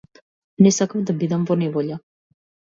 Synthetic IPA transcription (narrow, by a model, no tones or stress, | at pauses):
nɛsakavd̪abid̪amvɔnɛvɔʎa